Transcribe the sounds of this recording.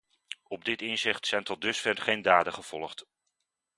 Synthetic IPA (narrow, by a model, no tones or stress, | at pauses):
ɔb̚dɪtɪnzɪχtsɛjntɔt̚dɵsfɛrχejndaːdəχəv̥ɔ̰lˠəχt